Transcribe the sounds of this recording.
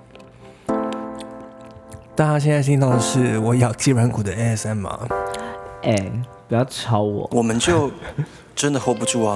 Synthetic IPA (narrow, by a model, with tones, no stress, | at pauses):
t̪a˥˩ta˥ɕ̬jnt͡sa˥˩ɕ̬i˥ŋt̪ɑ˥˩d̪ə˨ʂɻ̩˥˩wɔ˨˩˦jɑ˨˩ʊt͡ɕi˥wa˧˦nkʰu˨˩d̪ə˦˥ɛ˥sɛ˥nmɐ̰˨ | ʔɛ˨˩npu˨˩jɑ˥˩ʊʈ͡ʂʰɑ˧˥ʊwɔ̰˨˦wɔ˨˩mə˦nt͡ɕjo˥˩ʊ | ʈ͡ʂə˦nd̪ə˨xo˥pu˧ʈ͡ʂu˥˩a˨˩